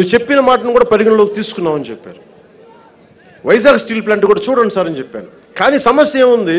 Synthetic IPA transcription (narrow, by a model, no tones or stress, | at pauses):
nuʋːt͡ʃe̞pːinɐmaːʈɐnukuːɽaːpɐɾiɡinɐloːkit̪iːsu̥kunːaːmɐnit͡ʃɛpːa̰ːɾu | ʋɐjsaːksʈiːlplaːɳʈkuːɽaːt͡ʃuːɽɐnisaːɾɐnit͡ʃɛpːa̰ːɾu | kaːniːsɐmɐsjɐeːmund̪i